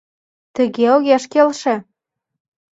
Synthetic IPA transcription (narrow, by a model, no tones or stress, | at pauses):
t̪ə̆ɣeoɣeʃkelʃĕ